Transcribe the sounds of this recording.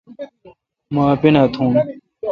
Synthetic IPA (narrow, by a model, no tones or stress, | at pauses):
maːpinat̪ʰũːn